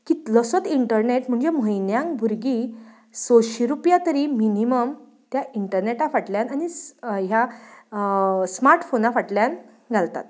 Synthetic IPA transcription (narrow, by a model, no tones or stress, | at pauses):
kit̪lɔsət̪iɳʈəɾneʈm̤əɳd͡zeməjnjãŋkbʱuɾɡi | sɔɕiɾupjat̪əɾiminiməm | t̪jaiɳʈəɾneʈafaʈljanañiɦja | smaɾʈfonafaʈljan | ɡʱalt̪a̰t̪